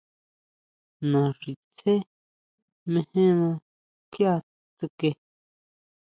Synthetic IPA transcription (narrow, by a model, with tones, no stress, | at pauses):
nã˨ʐi˨t͡sʰe˦ | mẽ˧hẽ˦nã˧ | kja˦˧ | t͡s̪ɨ˧ke˧